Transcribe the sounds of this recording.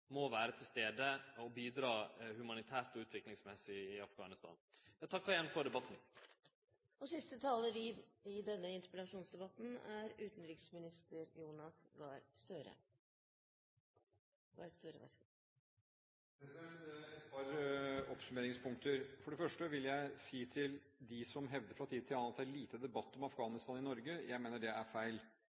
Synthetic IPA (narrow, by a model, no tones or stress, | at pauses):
mɔʋæːɾət̪ʰɪlst̪eːd̪əɔbiːd̪ɾɑːhʉmɑnɪt̪ʰæːɾt̪ɔʉːt̪ʰʋɪklɪŋsmɛsːɪɪɑfɡɑ̰nɪst̪ɑ̰ːnjɑt̪ʰɑkːfɑɾɛnfɔɾɖ̪ɛbɑt̪ːn | ɔsɪst̪ət̪ʰɑːləɾiɪd̪ɛnːəɪnt̪əɾpəlɑʂuːnsd̪ɛbɑt̪n̩æɾʉːt̪n̩ɾɪksmɪnɪst̪ʰəɾjuːnɑsʋɑɾst̪œɾə̰ | ʋɑ̰ɾɛst̪uɾə̰ | ɛɛɛtt̪pʰɑːɾɔpsʉmeːɾɪŋspʰʊŋk̚t̪əɾfɔɖɛfœʂʈəʋɪljæɪsiːt̪ʰɪld̪ɪsɔmɦɛʋd̪əɾfɾɑt̪ʰiːd̪̚t̪ʰɪlɑnɑt̪ːæɭiːt̪ʰəd̪ɛbɑt̪ːɔmɑfɡɑːnɪst̪ɑːnɪnɔɾɡəjæɪmeːnəɖɛæɾfæɪl